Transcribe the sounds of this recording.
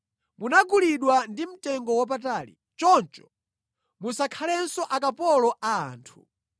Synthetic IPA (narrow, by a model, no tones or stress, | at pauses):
munaɡuliɗwandim̩tɛŋɡɔwap̬ataːlḭ | t͡ʃɔnt͡ʃɔ̥ | musakʰalɛnsɔʔakapɔlɔʔaa̰ːntʰu̥̰